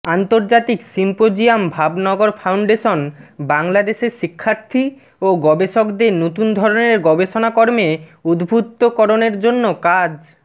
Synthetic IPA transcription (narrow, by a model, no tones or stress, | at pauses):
ant̪oɾd͡ʑat̪iksimpod͡ʑiambʱabnɔɡoɾfʰawɳɖeʃonbaŋlad̪eʃeɾʃikʰːaɾt̪ʰi | oɡɔbeʃokd̪enot̪und̪ʱɔɾoneɾɡɔbeʃonakɔɾmeud̪bʱut̪ːokɔɾoneɾd͡ʑonːokad͡ʑ